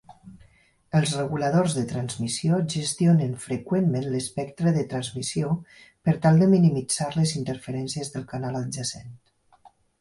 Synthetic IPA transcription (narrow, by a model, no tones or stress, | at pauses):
əlˠzrəɣuləðorzðət̪ɾanzmisioʒəst̪ionənfɾəkwemmenləspɛkt̪ɾəðət̪ɾanzmisio | pəɾt̪alˠd̪əminimid͡z̥aɾləzint̪əɾfəɾɛnsiəzðəlˠkanalad͡ʒəsent̪